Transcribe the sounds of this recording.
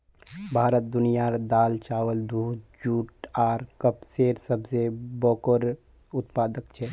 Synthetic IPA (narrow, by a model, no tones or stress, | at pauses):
bʱaːɾət̪̚d̪ʊnijaɾd̪aːlt͡ʃaːʋəld̪uːd̪d͡ʒuːʈaːɾkəpseːɾsəbsebɔːkəɾ | ʊt̪paːd̪ək̚t͡ʃʰɛ